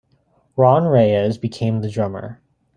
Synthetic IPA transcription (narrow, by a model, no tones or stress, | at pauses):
ɹɑ̃nɹeɪɨzbɨkʰẽɪ̃mðɨdɹʌmə̰˞